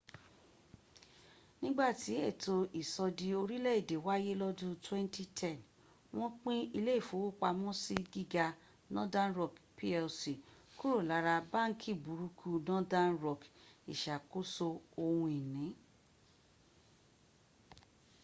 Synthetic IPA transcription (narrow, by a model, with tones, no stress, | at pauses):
nĩ˦ɡ͡ba˦˨ti˨˦e˦˨to˧ʔi˨sɔ˧di˧o˧ɾi˦lɛ˦i˦˨de˨wa˦je˦lɔ˦dũ˦twɛ̃˦n˦ti˦tʰɛ˦˨n | w̃ɔ̃˦k͡pĩ˦i˧le˦i˦˨fo˨˦wo˦˨k͡pa˧mɔ̃˦si˦ɡi˦ɡa˧ | nɔ̃˦dã˦nɾɔ˧˨kpi˦ɛ˧lsi˨ku˦ɾo˦˨la˨˦ɾa˧bã˦ŋ̩˦kʰi˦˨bu˨˦ɾu˧kʰu˧nɔ̃˦dã˦nɾɔ˨ki˨ʃa˨ko˦so˧o˧hũ˧i˨nĩ˨˦